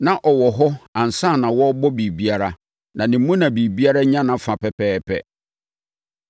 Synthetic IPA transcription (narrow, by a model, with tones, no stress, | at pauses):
nã˨ʔɔ˨wɔ˨ɦɔ˦ã˨n̩˨sã˦˨nã˨wɔ˦bɔ˦bi˨bi˦a˦ɾa˦ | nã˨nĩ˨mːũ˦nã˨bi˨bi˦a˦ɾa˦ɲã˦nã˨fã˨pɛ˨pʰɛː˦pʰɛ̰˦